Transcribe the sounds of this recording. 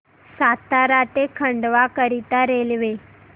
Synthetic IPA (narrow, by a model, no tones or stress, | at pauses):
sat̪aɾaʈ̪ekʰəɳɖʋakəɾit̪aɾelʋe